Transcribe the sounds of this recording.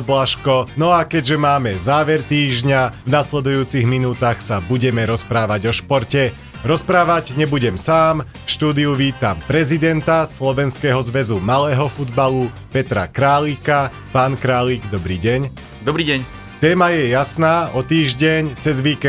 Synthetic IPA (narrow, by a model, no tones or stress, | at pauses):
blaʃkɔnɔakɛɟʒɛmaːmɛzaːʋɛɾt̪iːʒɲavnaslɛd̪ujuːt͡siɣminuːt̪aːxsabuɟɛmɛɾɔspɾaːʋaɟɔʃpɔɾcɛ | ɾɔspɾaːʋaɟɲɛbuɟɛmsaːm | fʃt̪uːd̪iuʋiːt̪ampɾɛzid̪ɛnt̪aslɔʋɛnskɛːɦɔzʋɛzumalɛːɦɔfud̪balu | pɛt̪ɾa̰kɾaːliːka | paːnkɾaːliːɡd̪ɔbɾḭːɟɛɲ | d̪ɔbɾiːɟɛɲ | t̪ɛːmajɛjasnaːʔɔt̪iːʒɟɛɲt͡sɛzʋiːkɛ